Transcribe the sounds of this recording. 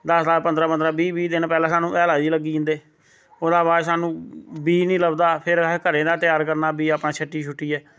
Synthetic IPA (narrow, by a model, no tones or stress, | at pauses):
d̪əslaːpənd̪ɾaːpənd̪ɾaːbiːbiːd̪ɪnpɛːlaːsaːnũːʔɛːlaːd͡ʒiːləɡːiːʊ̃nd̪eː | oːd̪aːbaːsaːnũːbiːnĩːləbd̪aːpʰɪɾkəɾẽːd̪aːt̪ɪjaːɾkəɾnaːbiːaːpnaːt͡ʃʰəʈːiːt͡ʃʰʊʈːiːɛː